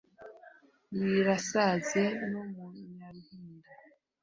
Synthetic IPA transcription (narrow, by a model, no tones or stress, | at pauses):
jiɾasazenomuɲaɾuhiːnda